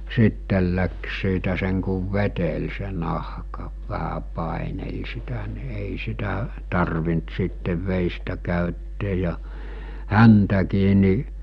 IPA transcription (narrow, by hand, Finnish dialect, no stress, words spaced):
siˑtːel læks siːtæ seŋ kuʋ ʋetel se nɑhkɑ ʋæhæ pɑˑinel sitæ ni eˑi sitæ tɑrʋint sitːeʋ ʋeˑistæ kæˑytːeːj̆ jɑ hæntækiː ni